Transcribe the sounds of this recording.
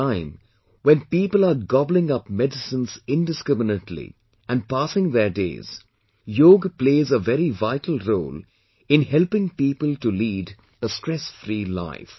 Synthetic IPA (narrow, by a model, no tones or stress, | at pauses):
ãɪ̃m | wɛ̃npiːpəlˠaɾɡɑblɪ̃ŋʌpmɛdɨsə̃nzɪ̃ndɨskɾɪmənətʰlḭ | ʔæ̃n̚paːsɪ̃ŋðəɾdḛːz̥ | joːɡpleːzəvɛɾivaɪʈʰl̩ˠɾoːl | ɪ̃nhɛlpɪ̃ŋpiːpəlˠtuliːd | əstɹ̥ɛsfɾila̰ɪf